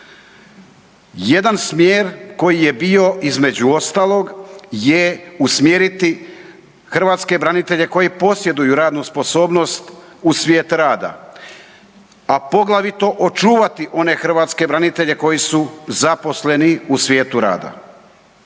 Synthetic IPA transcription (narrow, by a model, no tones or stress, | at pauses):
je̞d̪ansmjeːɾko̞jije̞bio̞izme̞d͡ʑuo̞st̪aːlˠo̞ɡje̞usmjeːɾit̪i | xr̩ʋaːt̪ske̞bɾanit̪e̞ʎe̞ko̞jipo̞sje̞d̪ujuɾaːd̪nuspo̞so̞ːbno̞st̪ | usʋʲje̞ːt̪ɾaːd̪a̰ | apo̞ɡlˠaʋit̪o̞ʔot͡ʃuːʋat̪iʔo̞ne̞xr̩ʋaːt̪ske̞bɾanit̪e̞ʎe̞ko̞jisuzapo̞sle̞niusʋje̞ːt̪uɾa̰ːd̪a̰